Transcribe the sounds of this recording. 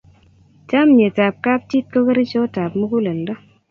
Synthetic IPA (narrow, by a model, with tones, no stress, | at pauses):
ta˦mje˨ta˨p̚ka˦p̚t͡ʃi˦t̚ko˦kə˦ɾe˦t͡ʃɔ˦ta˨pmo˦ku˦lɛ˨ldɔ˦